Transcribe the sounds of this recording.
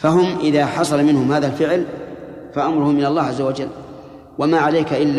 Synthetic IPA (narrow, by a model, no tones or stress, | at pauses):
faɦʊmʔɪðaːħɑsˤɑlamɪnhʊmhaːðalfɪʕl | faʔamɾʊhʊmːɪnalˤːɑːʕazːawad͡ʒalː | wamaːʕalajkaʔɪlː